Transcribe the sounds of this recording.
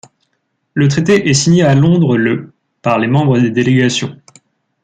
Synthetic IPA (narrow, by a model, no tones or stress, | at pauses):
lət̪χet̪eʔɛsiɲealɔ̃d̪ʁələ | paʁlemɑ̃bʁəd̪ed̪eleɡasjɔ̃